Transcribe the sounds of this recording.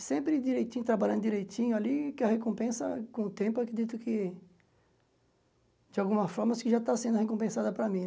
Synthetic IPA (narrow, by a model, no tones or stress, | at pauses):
sẽmpɾɪd̪iɾejt̪ĩɲʊt̪ɾabaʎɐ̃nd̪ʊd̪iɾejt̪ĩɲʊalikɪɐhekõmpẽsɐ̰kõʊt̪ẽpʊakɾed̪it̪ʊkɪ | d͡ʒɪawɡũmɐfɔɾmɐskɪʒat̪asẽnd̪ʊhekõmpẽsad̪ɐpɾɐmĩ